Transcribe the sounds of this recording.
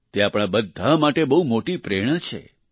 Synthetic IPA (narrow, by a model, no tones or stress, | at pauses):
t̪eapɽ̃abəd̪ʱamaʈebəɦumoʈipɾeɽ̃ət͡ʃʰḛ